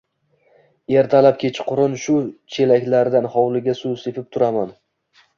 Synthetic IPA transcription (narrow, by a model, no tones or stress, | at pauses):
e̞ɾt̪ʰalap̚kʲʰet͡ʃʰqʰʊɾɪnʃʊt͡ʃʰe̞lakʲlaɾd̪anhɒwlɪɡʲasuse̞pɪp̚t̪ʰʊɾaman